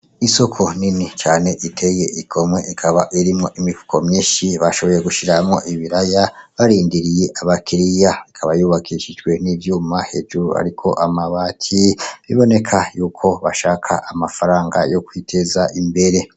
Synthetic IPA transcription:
iso̞kʰo̞ninit͡ʃaːne̞ʔitʰe̞je̞ʔikʰo̞mwe̞ʔikʰaβaʔiɾimŋo̞ʔimivu̥kʰo̞mɲeːʃiβaʃo̞βo̞jeɡuʃiɾamŋo̞ʔiβiɾajaβaɾiːndiɾije̞ʔaβakiɾijaikʰaβajuβakʰiʃid͡ʒɡwe̞niːvjuːmahe̞d͡ʒuɾua̰ɾikʰo̞̰ʔamaβaːtʰiβiβo̞ne̞kʰajuːkʰo̞βaʃaːkʰa̰ʔamafaɾaːŋɡa̰jo̞kwitʰe̞zaʔimbe̞ɾe̞

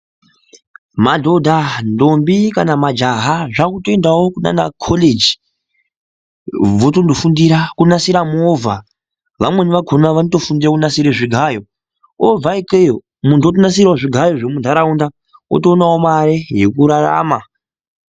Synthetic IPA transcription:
madʱo̞dʱandombikanamad͡ʒaɦaʐakutoendawokuna̰na̰kʰoled͡ʒi | ʋotondofundiɾakunasiɾamuovʱa | ʋamwe̞niʋakʰonaʋanoto̞fundiɾakunasiɾeʐiɡʱajo̞ | ovaikejo | muntuotonasirwaʐiɡʱajo̞ʐemundʱaɾaunda | o̰toːnawomaɾejekuɾara̰ma

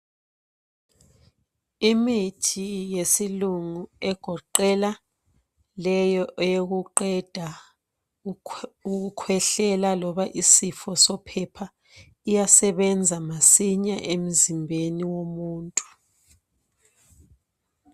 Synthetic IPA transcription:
imitʰijesiluŋuɛɡ̥ʱɔǃɛla | lɛjɔʔɛjoɣuǃɛd̥ʱa | uɣukʰwɛɬɛlalɔβaʔisifɔsɔpʰɛpʰa | ijasɛβɛnd͡zʱamasiɲaʔem̩zimbʱeniwomuːntʼu̥

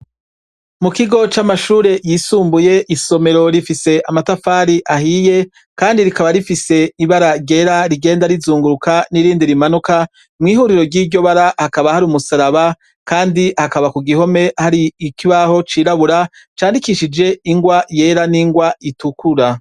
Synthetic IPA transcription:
mukiɡo̞t͡ʃamaʃuːɾe̞jiːsuːmbuje̞ʔiso̞me̞ɾo̞ɾifise̞ʔamatafaːɾiʔaɦije̞ | kaːndiɾikaβaɾifise̞iβaɾaɾɟe̞ːɾaɾiɡe̞ːndaɾizuːŋɡuɾukʰaniɾiːndiɾimanuka | mŋiːɦuːɾiɾo̞ɾɟiːɟo̞βaɾahakaβahaɾumusaɾaβa | kaːndihakaβakuɡiho̞me̞haɾiːkiβaho̞t͡ʃiːɾaβuɾa | t͡ʃaːndikiʃid͡ʒe̞iŋɡwaje̞ːɾaniŋɡwaitukʰuɾa

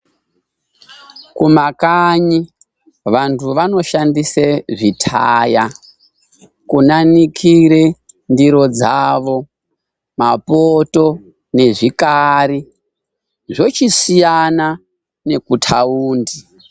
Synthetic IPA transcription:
kumakaɲi | ʋantʰuʋano̞ʃandiseʐitʰaːja | kunanikʰiɾe | ndiɾo̞d͡zaːʋo̞ | mapoto̞ | ne̞ʐikaɾi | ʐo̞t͡ʃisijana | ne̞kutʰauːndi

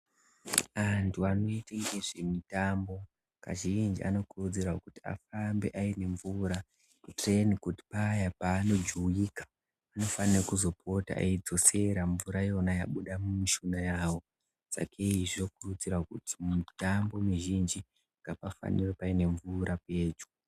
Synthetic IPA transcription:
antʰuano̞iteŋɡeʐemitambo̞ | ka̰ʒind͡ʒḭa̰no̞kurud͡zirakuti̥a̰fambe̞̰ʔaine̞ɱvuɾa | itrenikuti̥paːjapaːno̞d͡ʒuujikḁ | ano̞fanirekuzo̞pʰo̞ta̰a̰id͡zo̞se̞ɾaɱvuɾajo̞najaɓuɗamumiʃunajaːwo̞ | sa̰kʰeiʐokurud͡ziɾakutʰimitambo̞miʒind͡ʒi | ŋɡapafa̰niropaine̞ɱvuɾape̞ːd͡ʒu

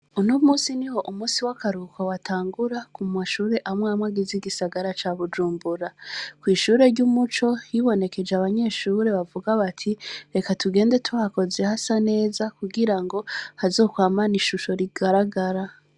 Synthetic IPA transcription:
unomuːsiniho̞ʔumuːsiwakaɾukawatʰaːŋɡuɾakumaʃuːɾe̞ʔamŋaːmŋaɡiziɡisaɡaɾat͡ʃaβud͡ʒuːmbuɾakwiːʃuːɾe̞ɾɟumut͡ʃo̞jiβo̞ne̞ke̞d͡ʒeaβaɲe̞ʃuːɾe̞βavuɡaβatʰiɾe̞katuɡe̞ːnde̞tʰuako̞ze̞hasane̞ːzakuɡiɾaŋɡo̞hazo̞ːkwaːmaniʃuʃo̞ɾiɡaɾaɡaɾa

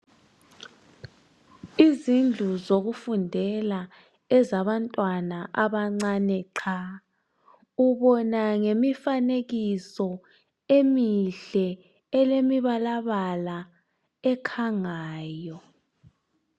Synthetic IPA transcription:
izind͡ɮʱuzoɣufundʱɛla | ɛzaβantʼwanaʔaβaŋ͡ǀanɛǀʰa | uβɔnaŋemifaneɣisɔ | emiɬɛ | ɛlemiβalaβala | ɛkʰaŋaːjɔ

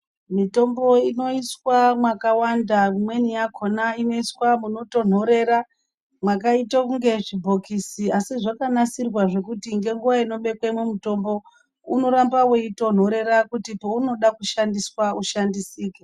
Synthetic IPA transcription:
mito̞mbo̞ino̞iswamwakawandamwe̞nijakʰo̞naino̞iswamuno̞to̞n̤o̞ɾe̞ɾa | mwakaitakuŋɡe̞ʐibʱo̞kisiasiʐakanasirwaʐe̞kutiŋɡe̞ŋɡuwaino̞ɓe̞kwemumuto̞mbo̞ | uno̞ɾambaweito̞n̤o̞ɾe̞ɾakutipouno̞ɗakuʃandiswauʃandisiːke

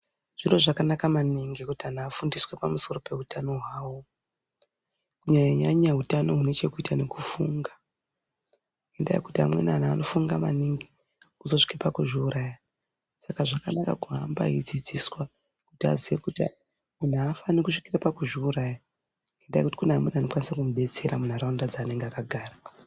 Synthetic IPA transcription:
ʐ̥ino̞ʐakanakamaniŋɡekutianaːfundiswepamuso̞ro̞pe̞ɦutano̞ɦwaːwo | kuɲaɲaɲaɲaɦutano̞ɦune̞t͡ʃe̞kuitane̞kufuŋɡa | ŋɡenda̰jḛkutia̰mwḛnan̤aːno̞fuŋɡama̰niŋɡe | uzo̞ʂi̥kepakuʐiuɾaːja | sakaʐakanaka̰kuɦamba̰id͡zid͡ziswa | ku̥tia̰ziekutḭ | mun̤uafanikuʂi̥kirapakuʐiuɾaːja | ŋɡendaj̰kuti̥kuneamwenanokwanisakumuɓe̞t͡se̞ɾamun̤aɾandad͡zaːne̞ŋɡeakaɡʱaːra

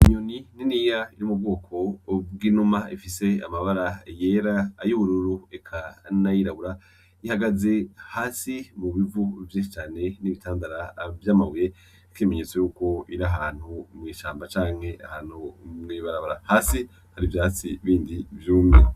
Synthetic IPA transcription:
imɲonininiːjaiɾimub̚ɡo̞ːkʰo̞bɡiːnumaifise̞a̰maβaɾaje̞ːɾaːjuβuɾuɾuekʰanajiɾaβuɾa | ihaɡaze̞haːsimuβivuvjiːnʃit͡ʃaːne̞niβitaːndaɾavjaːmaβuje | keːme̞ɲet͡sejuːko̞iɾaɦaːn̥humŋiːʃaːmbat͡ʃaːŋ̥he̞ʔahaːn̥humŋiːβaɾaβaɾahaːsi | haɾivjaːt͡siβiːndivjuːmŋe

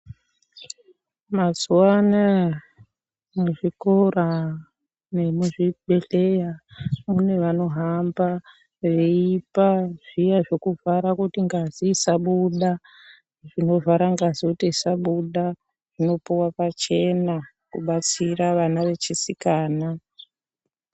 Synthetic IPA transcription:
mazuwana | muʐikora | ne̞muʐiɓe̞ɬejamune̞ʋano̞ɦamba | ʋeipaʐijaʐokuvaɾakutiŋɡazisaɓuɗa | ʐino̞vʱaɾaŋɡazikutisaɓuɗa | ʐ̥ino̞piwapat͡ʃe̞na | kuɓat͡siraʋanaʋe̞t͡ʃisikaːna

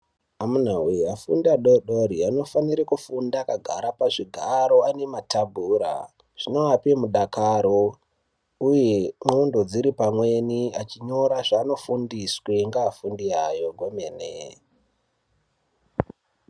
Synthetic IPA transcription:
amun̤aweafṵndaɗoɗoɾiano̞faniɾekufundakaɡʱaɾapaʐiɡʱaɾo̞ane̞matabʱuːɾa̰ | ʐ̥ino̞apemuɗakaɾo̞ | ujemundo̞d͡ziɾipamwe̞niat͡ʃiɲo̞ɾaʐaːno̞fundiswe̞ŋɡaːfundiajo̞ɡʱomenḛ

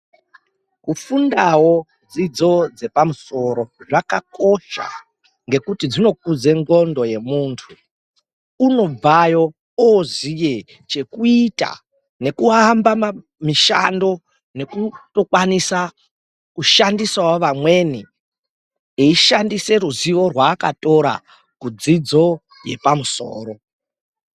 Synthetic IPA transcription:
kufundawo̞ | d͡zid͡zo̞d͡ze̞pamuso̞ɾo̞ʐakako̞ʃa̰ | ŋɡe̞kutid͡zino̞k̚ud͡ze̞ŋɡo̞ndo̞je̞muntʰu | uno̞b͡vajo̞ | ozije | t͡ʃe̞kuita̰ | ne̞kuambam | miʃa̰ndo̞ | ne̞kuto̞kwanisa | kuʃandisawoʋamwe̞ni | eiʃandise̞ɾuziʋo̞rwaːkato̞ɾa̰ | kud͡zid͡zo̞ | je̞̰pamuso̰ːro̞

